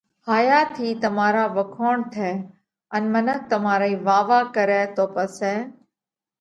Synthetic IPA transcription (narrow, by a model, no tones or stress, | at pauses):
haːjaːt̪ʰiːt̪əmaːɾaːʋəkʰoːɳ̃t̪ʰɛː | ənmənək̚t̪əmaːɾaiːʋaːʋaːkəɾɛːt̪oːpəsɛː